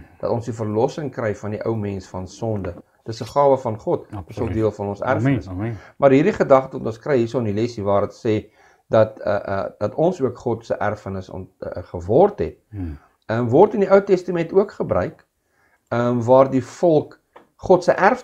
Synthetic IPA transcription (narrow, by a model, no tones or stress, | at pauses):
d̥ɐ̰tɔnsdifərlɔsəŋkrɛjfɐndiʔœwmɛnsfɐnsɔndə | d̥əsəχɑːvəfɐnχɔtdəsəlˠdiəlˠfɐnɔnsæ̰rfənəsmɐrɦiːrɾdiχədɐχtəvɐtɔ̃nskrɛjɦisɔlˠənilɛsivɑːɾətsɛː | dɐtə̰ʔə̰d̥ɐtɔnsuəkχɔtsəʔærfənəsɔ̰nχəvɔrtɦɛ̰t̚ | əmvɔrtəndiʔəwtɛstəmɛntuəkχəbɾœ̰ɥk | əmvɑːrdifɔlˠk | χɔtsəʔærf